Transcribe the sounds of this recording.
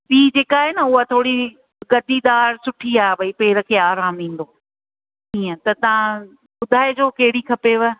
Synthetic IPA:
piːd͡ʑeːkaːɦeːnɐʊɦat̪ʰoːɽi | ɡɐd̪id̪aːɾsʊʈʰiaːbɐipeːɪɾə̆kʰeːaːɾaːmʋĩːn̆d̪oː | ĩːə̃t̪ɐt̪ɐʋ̤ã | ɓʊd̪ʱaːed͡ʑoːkɐɦɪɽikʰɐpeʋə

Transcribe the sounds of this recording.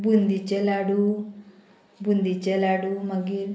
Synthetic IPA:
bund̪it͡ʃɛlaɽu | bund̪it͡ʃɛlaɽumaɡi

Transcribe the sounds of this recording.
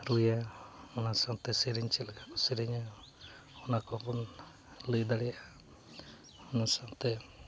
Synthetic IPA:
ɾujaɔnasaŋt̪ɛsiɾiɲt͡ʃilɡakɔsiɾiɲa | ɔnakɔpɔn | ləjd̪aɽɛjaa | ɔnasaŋt̪ɛ

